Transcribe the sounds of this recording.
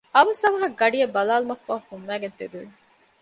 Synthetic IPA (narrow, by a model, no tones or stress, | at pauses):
ɐʋɐsɐʋɐɦɐɡɐɖijɐbɐlaːlumɐkːaːhumːæːɡent̪ed̪uʋi